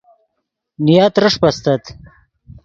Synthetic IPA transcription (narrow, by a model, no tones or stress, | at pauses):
nijat̪ɾəʂpast̪at̪